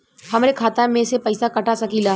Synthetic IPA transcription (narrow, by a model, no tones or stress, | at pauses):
hɐmɾekʰaːt̪ãmẽsepɐɪsakɐʈasɐkilaː